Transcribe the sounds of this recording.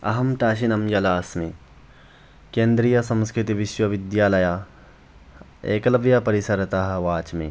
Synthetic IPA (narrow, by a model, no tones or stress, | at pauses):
ɐ̰ɦɐmt̪aːʃ̬inɐmjɐlaːsmẽ | kẽːnd̪ɾijɐsɐ̃mskɾɪt̪iʋɪʃwɐʋɪd̪jaːlɐjaː | eːkɐlɐʋjapɐɾɪsɐɾt̪aɦʋaːt͡ʃmḛ̃ː